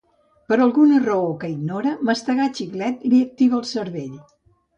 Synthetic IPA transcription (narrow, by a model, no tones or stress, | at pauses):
pəɾəlˠɣunərəokəiɡnoɾəməst̪əɣat͡ʃiklɛt̪liək̚t̪iβəːlˠsəɾβeʎ